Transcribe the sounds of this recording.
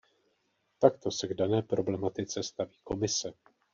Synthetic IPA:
t̪akt̪o̞sɛɡdanɛːpɾo̞blɛmat̪ɪt͡sɛst̪aviːko̞mɪsɛ

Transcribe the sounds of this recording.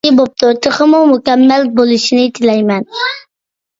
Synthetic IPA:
ɪbop̚t̪ʰʊt̪ʰəχəmʊmʊkʲɛmːælbolˠɨʃinɪt̪ʰɪlɛjmɛn

